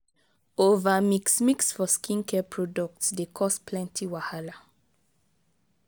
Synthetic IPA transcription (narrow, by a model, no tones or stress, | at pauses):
ovamiksmiksfɔskĩnkʰɛpɹɔdɔk̚tsdekʰɔsplɛ̃ntʰiwahala